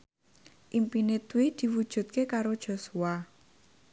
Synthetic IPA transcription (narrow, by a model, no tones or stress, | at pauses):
ʔimpinet̪wid̪̥i̤wud̥ʒ̥ṳt̪̚kekaɾod̥ʒ̥o̤sua